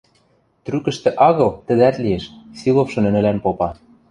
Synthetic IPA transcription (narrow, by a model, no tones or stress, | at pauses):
t̪rykɘ̆ʃt̪ĕʔɑɣɤ̆lt̪ɘ̆d̪æt̪lieʃsilˠofʃɤ̆nɘ̆nɘ̆lænpopɑ